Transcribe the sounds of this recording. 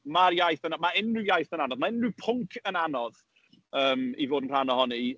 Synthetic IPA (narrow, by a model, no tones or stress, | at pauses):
marjajθənamaɪnrɪwjajθənanɔðmaɪnrɪpʰʊŋkʰənanɔð | əːmivoːdənr̥anɔɦɔni